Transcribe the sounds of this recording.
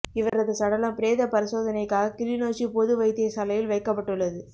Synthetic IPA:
ɪʋɐɾɐðɯsɐɽɐlɐmpɪɾeːðɐpɐɾɪsoːðɐnɐɪkːaːɣɐkɪlɪnoːsipɔðɯʋɐɪt̪ːɪjɐsɐlɐjɪlʋɐɪkːɐpːɐʈːɯɭːɐðɯ

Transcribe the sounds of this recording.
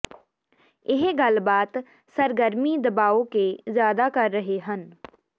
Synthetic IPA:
ɪɦɡəlbaːt̪ | səɾɡəɾmid̪ɐbaːõkezjaːd̪akɐɾːəɦeɦən

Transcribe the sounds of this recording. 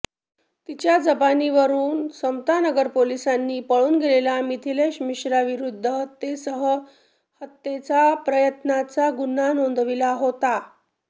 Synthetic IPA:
t̪it͡ɕjad͡zəbaniʋəɾuːnsəwt̪anəɡəɾpolisanːiːpəɭuːnɡelelamit̪ʰileɕmiɕɾaʋiɾud̪ʱːəɦət̪ːesəɦə | hət̪ːet͡sapɾəjət̪nat͡saɡunanond̪ʱʋilaɦot̪a

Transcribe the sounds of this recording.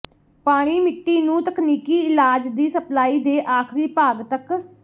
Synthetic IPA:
paːɽ̃iːmɪʈːiːnũːt̪əkniːkiːɪlaːd͡ʒd̪iːsəplaːiːd̪eːʔaːkʰɾiːpaːɡt̪ək

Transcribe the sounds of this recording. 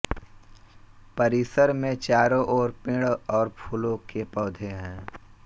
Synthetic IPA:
pəɾiːsəɾmẽt͡ʃaːɾõʔɔːɾpɪ̃ːɽɔːɾpʰuːlõkepɔːd̪ʱeɦɛ̃ː

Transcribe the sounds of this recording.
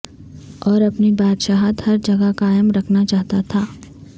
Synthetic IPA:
ɔːɾɐpnibaːd̪ʃaːɦat̪hɐɾd͡ʒɐɡəkaːjəmɾɐkʰnat͡ʃaːɦt̪at̪ʰaː

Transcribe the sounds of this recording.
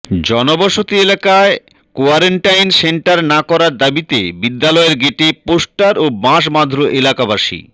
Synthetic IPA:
d͡ʑɔnobɔʃot̪ielakae | koaɾeɳʈajnseɳʈaɾnakɔɾaɾd̪abit̪ebid̪ːalɔeɾɡeʈeposʈaɾobãʃ̬mad̪ʱɾoʔelakabaʃḭ

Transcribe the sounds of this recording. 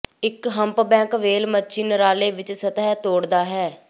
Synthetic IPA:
ɪkɦəmpbɛ̃ːŋkʋeːlmətːʃʰiːnəɾaːleːʋɪt͡ʃsət̪ɦɛːt̪oːɽd̪aːɦɛː

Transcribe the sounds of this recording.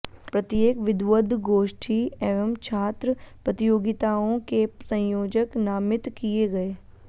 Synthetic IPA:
pɾɐt̪jeːkʋɪd̪ʋəd̪ʱɡoːʃʈʰieːʋəmt͡ʃʰaːt̪ɾəpɾɐt̪ɪjoːɡɪt̪aːõkesɐ̃joːd͡ʒəknaːmɪt̪kieɡɐeː

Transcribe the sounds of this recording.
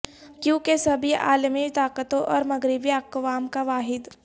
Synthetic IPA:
kjũːkesɐbʱiʔa̰ːlmit̪aːkət̪õʔɔːɾmɐɡɾɪbiɐkʋaːmkaʋaːɦɪd̪

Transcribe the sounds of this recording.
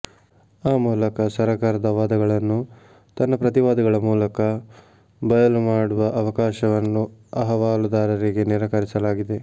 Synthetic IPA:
aːmuːlɐkɐsɐɾɐkaːɾɐd̪ɐʋaːd̪ɐɡɐɭɐnːu | t̪ɐnːɐpɾɐt̪iʋaːd̪ɐɡɐɭɐmuːlɐkɐ | bɐjɐlumaːɽuʋɐʔɐʋɐkaːʃɐʋɐnːuɐɦɐʋaːlud̪aːɾɐɾiɡe̞niɾɐkɐɾisɐlaːɡid̪e̞

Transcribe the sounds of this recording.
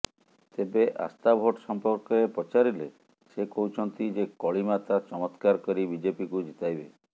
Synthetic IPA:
t̪ebeʔa̰st̪abʱoʈsɔmpɔɾkɔɾepɔt͡ʃaɾile | sekɔɦut͡ʃʰɔnt̪id͡ʒekɔɭimat̪at͡ʃɔmɔt̪kaɾkɔɾibid͡ʒepikud͡ʒit̪ajbe

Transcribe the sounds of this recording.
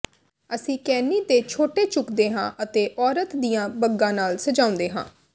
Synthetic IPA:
əsĩːkɛːniːd̪eːt͡ʃʰoːʈeːt͡ʃʊkd̪eːɦã̰ːʔət̪eːʔɔːɾət̪d̪ijãːbəɡːãːnaːlsəd͡ʒãːʊ̃nd̪eːɦã̰ː

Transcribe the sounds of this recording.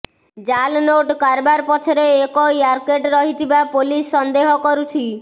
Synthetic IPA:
d͡ʒalnoʈkaɾbaɾpɔt͡ʃʰɔɾeːkɔjaɾkeʈɾɔɦit̪ʰibapolisːɔnd̪eɦɔkɔɾut͡ʃʰi

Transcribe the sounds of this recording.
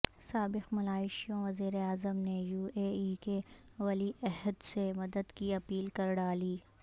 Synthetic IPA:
saːbɪqmɐlaːɪʃijõʋɐziːɾeaːzəmnejuːeːiːkeʋɐliʔɛɦəd̪semɐd̪əd̪kiɐpiːlkɐɾɖaːliː

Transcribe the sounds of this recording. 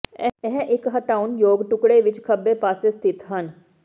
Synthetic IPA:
ɛɦʔɪkɦəʈaːʊnjoːɡʈʊkɽeːʋɪt͡ʃkʰəbːeːpaːseːst̪ʰɪt̪ɦən

